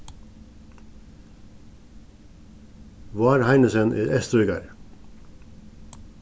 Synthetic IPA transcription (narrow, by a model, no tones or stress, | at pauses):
ʋɑːɾhɑɪnəsənʔḛːʔɛst̪ɾœʏɡɑ̰ɾ